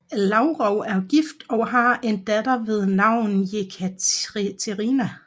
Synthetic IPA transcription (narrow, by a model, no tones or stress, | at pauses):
lɑʊʁɒʊæɐɡ̥ifd̥ɒ̽ɦɑ̈e̝nd̥æd̥ɐʋe̝ð̞ˠnɑ̈ʊ̰nn̩jekʰæt͡sʰeʁiːnæ